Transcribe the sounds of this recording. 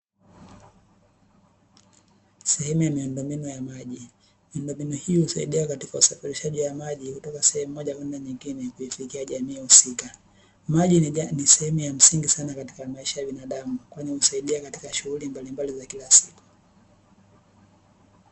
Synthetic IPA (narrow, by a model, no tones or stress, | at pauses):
sɛhɛmujamiundɔmbinɔjamaʄi | miundɔmbinɔhihusa̰ḭɗiakatikausafiɾiʃaʄiwamaʄihutɔkasɛhɛmuːɔʄakwɛndaɲiŋɡinɛkuifikiaʄamiːhusika | maʄinisɛhɛmujam̩siŋɡisanakati̥kamaiʃajaɓinaɗamukwaɲɛhusaiɗiakati̥kaʃuɣulimbalimbalizakilasiku̥